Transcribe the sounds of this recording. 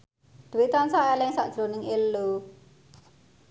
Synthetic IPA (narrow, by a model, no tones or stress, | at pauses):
d̪̥əwit̪ansaʔelɛŋsaʔd̥ʒ̥ɾo̤nɪŋelu